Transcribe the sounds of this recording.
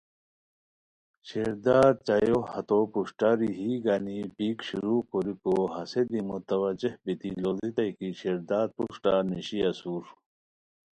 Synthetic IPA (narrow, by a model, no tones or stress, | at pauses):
ɕeɾd̪aːɾ̚t͡ɕajohɐt̪opuɕʈaɾiɦiːɡanipiːkɕuɾukoɾikoɦɐsed̪imut̪ɐwɐd͡ʑehbit̪ilolit̪ɐjkiɕeɾd̪aːd̪̚puʂʈaniɕiɐsuːɾ